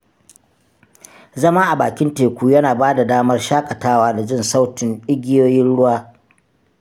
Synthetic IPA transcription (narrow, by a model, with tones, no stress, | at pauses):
zɐ˦maː˦ʔa˨baː˨kʲɪ˦nteː˨kʷuː˦jɐ˦naː˨baː˦da˨daː˦mɐ˦rʃaː˦kʼɐ˨taː˦waː˦da˨d͡ʒɪ˦˨nsa˦wtɪ˨nɗɪ˦ɡʲɪ˦joː˦jɪ˦nɽʊ˦waː˦